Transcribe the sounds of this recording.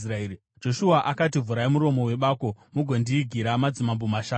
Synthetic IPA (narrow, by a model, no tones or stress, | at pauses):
raei | d͡ʒo̞ʃuaʔakat̬ivuɾaimuɾo̞mo̞we̞ɓaːko̞muɡʱondiːɡʱiɾamad͡zimambomaʃaː